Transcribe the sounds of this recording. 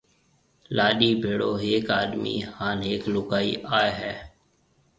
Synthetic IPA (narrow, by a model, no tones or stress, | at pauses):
laːɗiːbʱeːɽoːɦeːkaːɗmḭːhaːnɦeːklʊɡaːiːʔaːeɦɛː